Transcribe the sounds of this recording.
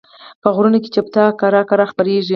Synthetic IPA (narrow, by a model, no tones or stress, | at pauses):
pəɣɾunake̥t͡ʃap̚t̪ɑkaɾɑkaɾɑxpəɾeʒi